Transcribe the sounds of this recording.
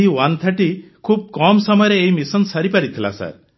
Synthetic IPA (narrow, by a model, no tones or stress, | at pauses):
ɦiwant̪ʰaʈikʰub̚kɔmsɔmɔjɔɾeːɦimisɔnsaɾipaɾit̪ʰila̰sa̰ɾ